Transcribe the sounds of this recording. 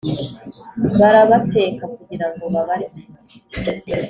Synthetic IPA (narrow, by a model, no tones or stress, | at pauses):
βaɾaβate̞ːkakuɟiɾaŋɡo̞βaβaɾima